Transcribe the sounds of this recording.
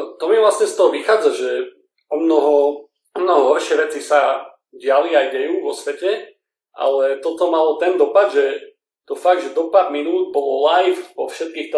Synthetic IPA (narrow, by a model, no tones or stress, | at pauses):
t̪ɔmivlasɲɛst̪ɔɦɔʋixaːd͡zaʒɛ | ɔmnɔɦɔ | ɔmnɔɦɔɦɔɾʃɪɛʋɛt͡sisa | ɟɪaliajɟɛjuːʋɔsʋɛcɛ | ʔa̰lɛt̪ɔt̪ɔmalɔt̪ɛnd̪ɔpad̪ʒɛ | t̪ɔfaɡ̪̚ʒɛd̪ɔpaɾminuːd̪̚bɔlɔlajfpɔfʃɛt̪̚kiːxt̪